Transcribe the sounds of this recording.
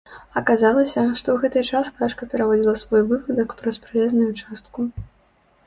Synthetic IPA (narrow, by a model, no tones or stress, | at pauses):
ɐkazalˠɐsʲɐʂt̪ɔwɣɛt̪ɨt͡ʂaskaʂkɐpʲɛɾavɔd͡zʲilˠɐsvɔjvɨpɐd̪ɐkpɾɐspɾɨjɛznujut͡ʂast̪̚ku